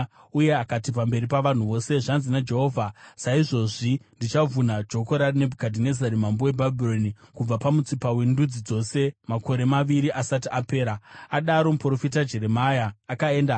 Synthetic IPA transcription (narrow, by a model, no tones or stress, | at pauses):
uje̞akatipambe̞ɾipaʋan̤uʋo̞se̞ʐanzinad͡ʒe̞ɦo̞ːvʱasaiʐo̞ʐindit͡ʃavunad͡ʒo̞ko̞ɾarine̞bʱukadʱine̞zaɾimambowebʱabʱiro̞nikub͡vapamut͡sipawendud͡zid͡zo̞se̞mako̞ɾe̞maʋiɾiʔasatiʔape̞ːɾaaɗaɾo̞mupro̞fitad͡ʒe̞ɾe̞majaːkae̞ːnda